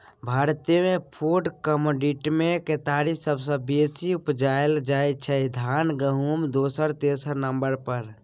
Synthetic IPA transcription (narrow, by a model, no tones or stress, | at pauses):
bʱaːɾt̪imepʰuɖkəmoɖiʈmẽket̪aɾisəbsə̃besiupd͡ʒaeld͡ʒaet͡ʃʰɛd̪ʱanɡəɦumd̪oːsəɾt̪esəɾnəmbəɾpəɾ